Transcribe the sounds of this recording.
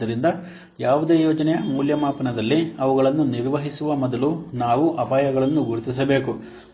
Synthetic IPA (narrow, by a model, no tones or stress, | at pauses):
ɐɾind̪ɐ | jaːʋud̪e̞ːjɔːd͡ʒɐnɛjɐmuːljɐmaːpɐnɐd̪ɐlːiɐʋuɡɐɭɐnːuniɾʋɐɦisuʋɐmɔd̪ɐlunaːʋuʔɐpaːjɐɡɐɭɐnːuɡuɾit̪is̬ɐbe̞ːku